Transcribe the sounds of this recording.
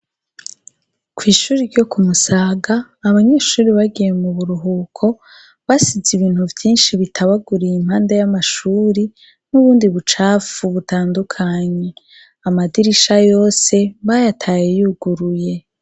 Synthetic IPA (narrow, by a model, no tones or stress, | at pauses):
kʰwiːʃuːɾiɾɟo̞kumusaːɡaː | βaɲe̞ːʃuːɾiβaɡije̞muβuɾuɦuːkʰo̞ | βasiziβiːn̥huvjiːnʃiβitʰaβaɡuɾijimhaːndajamaʃuːɾi | nuβuːndiβut͡ʃaːfuβutaːndukʰaɲe̞ | amadiɾiʃajo̞ːse̞βajatʰaːjejuɡ̥uɾuje̞